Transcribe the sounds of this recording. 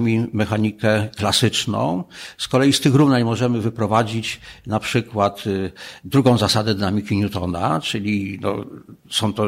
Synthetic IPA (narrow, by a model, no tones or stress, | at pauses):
mʲimɛxaɲikɛklasɘt͡ʂnɔ̰̃w̃skɔlɛjist̪ɘxɾuvnajmɔʐɛmɘvɘpɾɔvad͡ʑit͡ɕnapʂɘkwat̪d̪ɾuɡɔ̃w̃zasad̪ɛd̪ɘnamʲikʲiɲut̪ɔna̰t͡ʂɘlʲinɔ̰sɔ̃w̃t̪ɔ